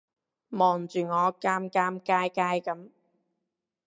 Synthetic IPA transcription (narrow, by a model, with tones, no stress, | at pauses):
mɔː˨˩ŋt͡ʃyː˨ŋɔː˨˧kaː˥mkaː˥mkaː˥jkaː˥jkɐ˨˥m